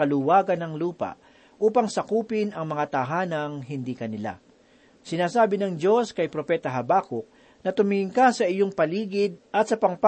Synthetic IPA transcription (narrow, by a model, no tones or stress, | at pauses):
ɐlʊwaːɡɐnːɐŋluːpɐ̰ʔ | ʔuːpɐŋsɐkuːpɪnɐŋmɐŋat̪ɐɦaːnɐŋɦɪnd̪iːkɐnɪla̰ | sɪnaːsaːbɪnɐŋd͡ʒo̞skɐjpɾopɛːt̪ɐɦɐbaːkok̚ | nɐt̪ʊmɪɪŋkasɐʔɪjoŋpɐliːɡɪd̪̚ʔɐt̪̚sɐpɐŋp